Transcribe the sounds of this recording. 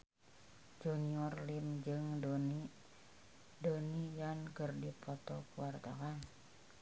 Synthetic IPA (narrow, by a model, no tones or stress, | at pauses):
d͡ʒoniɔrlimd͡ʒɨŋdn | donijankərdipʰɔt̪ɔkuward̪akan